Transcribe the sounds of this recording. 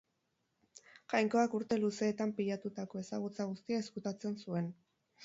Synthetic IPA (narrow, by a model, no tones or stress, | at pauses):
ʝajŋko̞akuɾt̪e̞luse̞ːt̪ampiʎat̪ut̪ako̞e̞saɣ̞ut͡saɣ̞ust̪iaeskut̪at͡se̞nsue̞n